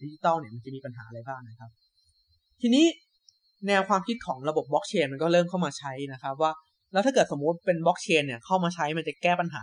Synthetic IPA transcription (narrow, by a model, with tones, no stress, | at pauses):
di˦˥t͡ɕi˧t̪ɔː˥˩wni˥˩ɐma˧nt͡ɕa˨˩miː˧pa˧nɦaː˩˦ʔɾa˧jbaː˥˩ŋna˦˥kʰa˦˥p̚ | t̪ʰiː˧niː˦˥ | nɛː˧wkʰwaː˧mkʰi˦˥t̪̚kʰɔː˩˦ŋɾa˧bo˨˩p̚bɔ˦˥k̚t͡ɕʰeː˧nma˧nkɔː˥˩ɾɤː˥˩mkʰa˥˩wmaː˧t͡ɕʰa˦˥jna˦˥kʰa˦˥p̚waː˥˩ | lɛ˦˥wt̪ʰa˥˩kɤː˨˩t̪̚so˩˦mu˦˥t̪̚pe˧nbɔ˦˥k̚t͡ɕʰeː˧nːi˥˩ɐkʰa˥˩wmaː˧t͡ɕʰa˦˥jma˧nt͡ɕa˨˩kɛː˥˩pa˧nɦa̰ː˩˦